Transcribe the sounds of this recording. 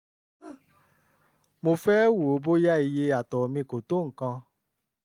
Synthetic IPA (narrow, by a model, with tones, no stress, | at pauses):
mo˧fɛ˦wu˨o˨˦bo˦ja˦i˨je˧a˨tɔ˨mĩ˧ko˨to˦ŋ̩˨kã˧